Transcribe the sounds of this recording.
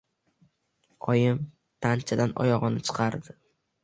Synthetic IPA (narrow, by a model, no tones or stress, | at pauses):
ɒjɪm | t̪ʰant͡ʃʰad̪anɒ̰jɒʁɨnɪt͡ʃʰɨ̥qʰɑɾd̪ɪ